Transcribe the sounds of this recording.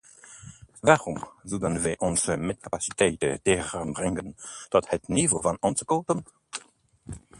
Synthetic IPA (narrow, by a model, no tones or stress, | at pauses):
vaʁumzudənvɛʔɔnsəmɛt̚kapasi̥tʰɛːtə̰dɛʁənbrɪŋɡəntɔthətnivovanɔnsəkoːtən